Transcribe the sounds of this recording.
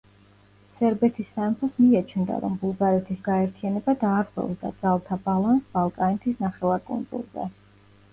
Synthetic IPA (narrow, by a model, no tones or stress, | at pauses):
sɛɾbɛt̪ʰisːaɛmpʰɔsmiat͡ʃʰnd̪a̰ɾɔ̰mbulˠɡaɾɛt̪ʰisɡaɛɾt̪ʰijanɛbad̪aːɾχwɛ̰vd̪a̰d̪z̥alˠt̪ʰabalˠansb̥alˠkʼanɛt̪ʰisnaχɛlˠakʼṵnd̪zṵlˠzɛ̰